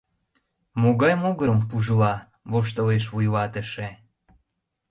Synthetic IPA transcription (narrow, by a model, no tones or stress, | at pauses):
moɣɑjmoɣəɾəmpuʒəlɑ | βoʃ̬t̪əleʃ̬βujlɑt̪əʃe